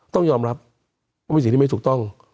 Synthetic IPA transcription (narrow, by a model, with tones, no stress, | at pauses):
t̪ɔ˥˩ŋjɔː˧mɾa˦˥p̚ | wa˥˩˧st̪ʰi˥˧ma˥˩t̪ʰu˨˩t̪ɔ˥˩ŋ